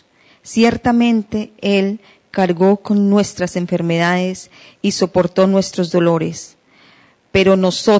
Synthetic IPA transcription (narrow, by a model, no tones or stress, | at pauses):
sje̞ɾt̪amẽ̞nt̪e̞el | kaɾɡo̞ko̞nːwe̞st̪ɾase̞ɱfe̞ɾme̞ðaðes | iso̞po̞ɾt̪o̞nwe̞st̪ɾo̞zd̪o̞lo̞ɾes | pe̞ɾo̞no̞so